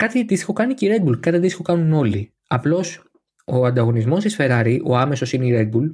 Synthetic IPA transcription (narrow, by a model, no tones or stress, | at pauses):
kɐt̪it̪isi̥xo̞kɐniceiɾe̞d̪bulkɐt̪it̪isixokɐnuno̞li | ɐplo̞s | o̞ɐnd̪ɐɣo̞nizmo̞st̪isfe̞ɾɐɾiʔo̞ɐme̞so̞sineiɾe̞d̪̚bul